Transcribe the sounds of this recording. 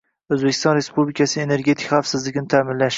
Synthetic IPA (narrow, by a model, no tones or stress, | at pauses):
ɵzbekʰʲɪ̥st̪ɒnɾe̞spublɪkʰasɪene̞ɾɡʲe̞t̪ʰɪ̥kχafsɪzlɪɡʲɪnɪt̪ʰaːmɪnlaʃ